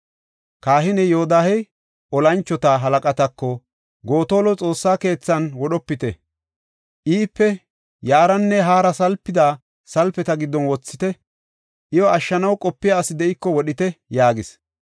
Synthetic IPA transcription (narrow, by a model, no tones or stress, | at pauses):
kaːhɪnɛjoːd̪aːhɛ | ʔɔlɐnt͡ʃːɔt̪ɐɦɐlɐkʼɐt̪ɐkːɔ | ɡoːt̪oːlɔt͡sʼo̞ːsːaːke̞ːt͡sːɐnwɔɗɔpːɪt̪ɛ | ʔiːpːɛ | jaːɾɐnːɛɦaːɾɐsɐlpːɪd̪aː | sɐlpɛt̪ɐɡɪd̪ːɔnwɔt͡sːɪt̪ɛ | ʔɪjɔɐʃːɐnɐwkʼɔpːɪjaːsɪd̪ɛʔɪkːɔwɔɗɪt̪ɛjaːɡɪs